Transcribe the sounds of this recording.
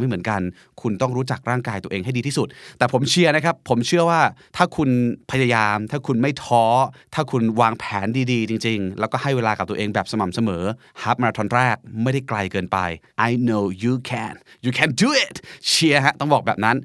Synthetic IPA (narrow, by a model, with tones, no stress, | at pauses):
ma˥˩jmɯ˩˦nka˧n | kʰu˧nt̪ɔ˥˩ŋɾuː˦˥t͡ɕa˨˩k̚ɾaː˥˩ŋkaː˧jt̪u˧ʔeː˧ŋɦa˥˩jdiː˧t̪ʰiː˥˩su˨˩t̪̚t̪ːɛː˨˩pʰo˩˦mt͡ɕʰi˧ɐna˦˥kʰa˦˥pʰːo˩˦mt͡ɕʰɯ˥˩ɐwaː˥˩t̪ʰaː˥˩kʰu˧npʰa˧ja˧jaː˧mt̪ʰaː˥˩kʰu˧nma˥˩jt̪ʰɔː˦˥t̪ʰaː˥˩kʰu˧nwaː˧ŋpʰɛː˩˦ndiː˧diː˧t͡ɕi˧ŋt͡ɕi˧ŋlɛː˦˥wkɔː˥˩ha˥˩jweː˧laː˧ka˨˩t̪u˧ʔeː˧ŋbɛː˨˩p̚sa˧ma˨˩msa˧mɤː˩˦ | haː˦˥p̚ma˧ɾaː˧t̪ʰɔ˧nɾɛː˥˩k̚ma˥˩jda˥˩jkla˧jkɤː˧npa̰˧jʔa˧jno˧juː˧kʰɛ˨˩njuː˨˩kʰɛ˨nduː˧i˨˩t̪̚t͡ɕʰi˧əɦa˦˥t̪ɔ˥˩ŋbɔː˨˩bɛː˨˩p̚na˦˥n